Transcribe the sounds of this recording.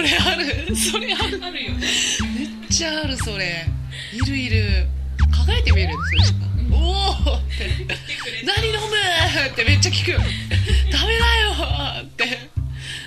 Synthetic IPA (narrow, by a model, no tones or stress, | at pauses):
soɾeaɾɯ̟so̞ɾeaɾɯ | me̞ | t͡ɕːaːɾɯ̟so̞ɾe̞ | iɾɯ̟iɾɯ̟kakaɾet̪emɯiɾɯ̟nsnkaot̪ːe̞ | naɲ̟ino̞mɯ̟t̪ːe̞me̞t͡ɕːakʲi̥kɯ̟jot̪ame̞najo̞t̪ːe̞